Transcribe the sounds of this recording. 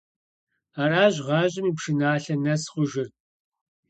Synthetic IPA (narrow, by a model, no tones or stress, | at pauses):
aːraːʑʁɑːʑʼɪmiːpʂɨnaːɬɐnɐsχʷʊʒɪr